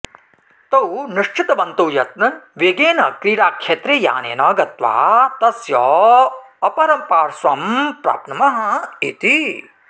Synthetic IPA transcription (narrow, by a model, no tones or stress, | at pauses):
t̪ɐwniʂt͡ʃʰɪt̪ɐʋɐnt̪uːjɐt̪̚nɐnʋeːɡeːnɐkɾiːɽaːkʃeːt̪ɾeːja̰ːnḛːnɐːɡɐt̪ʋa̰ːt̪ɐsjɔː | ɐpɐɾɐmpaːɾsʋɐmpɾa̰ːpnɐmɐɦɐḭt̪i